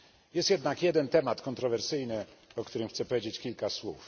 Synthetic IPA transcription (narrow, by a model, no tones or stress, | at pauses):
jɛst̪jɛd̪nakjɛd̪ɛnt̪ɛmat̪kɔnt̪ɾɔvɛɾsɘjnɘɔk̚t̪uɾɘmxt̪sɛpɔvʲjed͡ʑet͡ɕkʲilkaswṵf